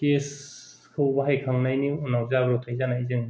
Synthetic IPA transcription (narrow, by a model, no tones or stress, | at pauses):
kes | kʰɯwbaɦajkʰaŋnajniunawzabɾot̪ʰajzanajzɯŋ